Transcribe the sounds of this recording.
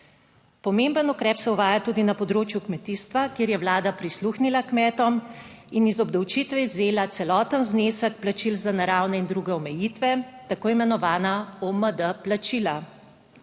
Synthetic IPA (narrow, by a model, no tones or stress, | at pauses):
pɔmembənukɾɛːpsɛuʋaːjat̪uːd̪inapɔd̪ɾoːt͡ʃjukmɛt̪ist̪ʋakjeːɾjɛwlaːd̪apɾisluːxnilakmɛːt̪ɔminizɔbd̪ɐwt͡ʃit̪ʋɛizeːlat̪sɛlɔːt̪ənznesəkplat͡ʃilzanaɾawnɛind̪ɾuɡɛɔmɛjit̪ʋɛt̪akoːimɛnɔʋaːnaoməd̪əplat͡ʃila